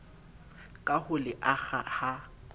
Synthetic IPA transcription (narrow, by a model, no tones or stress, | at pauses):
kʼahʊlɪʔaɣa̰ha